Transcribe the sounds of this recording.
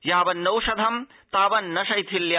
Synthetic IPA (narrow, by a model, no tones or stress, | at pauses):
jaːʋɐnːɐwʂɐd̪ʱɐm | t̪aːʋɐnːɐʃɐjt̪ʰilja